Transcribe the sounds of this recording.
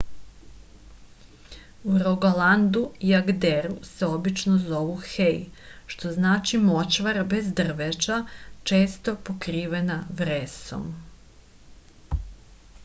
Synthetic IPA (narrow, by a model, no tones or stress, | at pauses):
uɾoɡoland̪uiaɡd̪eɾuseo̞bit͡ʃnozo̞ʋuxejʃt̪o̞znaːt͡ʃimo̞t͡ɕʋaɾbe̞zd̪r̩ʋet͡ʃat͡ʃe̞ːst̪o̞pokɾiːʋenaʋɾeso̰m